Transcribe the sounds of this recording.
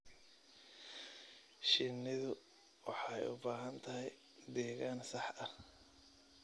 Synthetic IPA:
ʃɪnːɪðʊ | wɑħɑjʊ̰baːɦɐnt̪ʰɐɦɛj | d̪ɛːɣaːnsɑħɐh

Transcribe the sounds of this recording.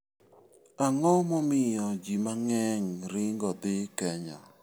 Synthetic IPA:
aŋɔmɔmɪjɔd͡ʒimaŋɛŋɾɪŋɡɔd̪ɪkɛɲɔ̰

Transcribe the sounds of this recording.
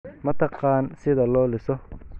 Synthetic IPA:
mɐt̪ʰɑqɑːnsɪðɐlɔːlɪsɔ

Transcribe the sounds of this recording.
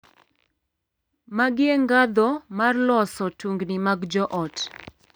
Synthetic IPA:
maɡɪeŋɡad̪ɔmarlɔsɔtuŋɡnimaɡd͡ʒɔʔɔt

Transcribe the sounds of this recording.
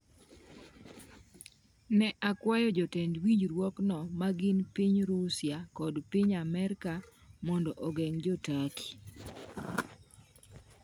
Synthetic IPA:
nɛʔakwajɔd͡ʒɔtɛndwiɲd͡ʒɾwɔknɔmaɡɪnpiɲɾusjakɔdpiɲamɛɾkamɔndɔʔɔɡɛŋd͡ʒɔtaki̥

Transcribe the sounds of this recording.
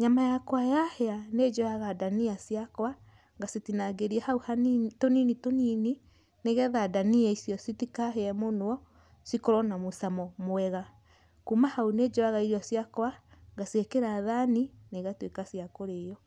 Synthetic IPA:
ɲamajakwajahɛaned͡ʒɔjaɣadaniasijakwa | ŋɡasitinaɡeɾiɛhauhantoninitonini | neɣɛðadaniɛisjɔsitikaɦeɛmonoɔ | sikoɾɔnamosamɔmoɛɣa | kumahauned͡ʒɔaɣaiɾiɔsjakwaŋɡasiekeɾaðanineɣatwekasiakoɾejɔ

